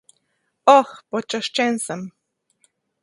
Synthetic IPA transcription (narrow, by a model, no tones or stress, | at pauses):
oxpot͡ʃoʃt͡ʃensam